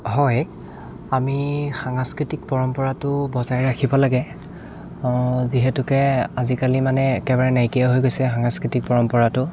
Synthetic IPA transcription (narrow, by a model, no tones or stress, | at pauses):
ɦɔj | amixaŋaskɹitik̚pɔɹɔmpɔɹatʊbɔzajɹakʰibɔlaɡɛ | ziɦɛtʊkɛazikalimanɛːkɛbaɹanajkijaɦojɡojsɛxaŋaskɹitik̚pɔɹɔmpɔɹatʊ